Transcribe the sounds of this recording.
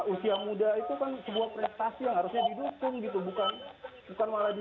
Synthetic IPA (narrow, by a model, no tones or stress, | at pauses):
usiamudait̪ukansəbuahpɾɛst̪asijaŋɦaɾʊsɲadidukʊŋɡit̪̬ubukanbukanmaladi